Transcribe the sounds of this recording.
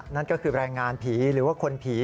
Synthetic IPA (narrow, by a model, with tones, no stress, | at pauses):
na˥˩nkɔː˥˩kʰɯː˧ɾaː˧jŋaː˧npʰiː˩˦ɾɯː˩˦waː˥˩kʰo˧npʰiː˩˦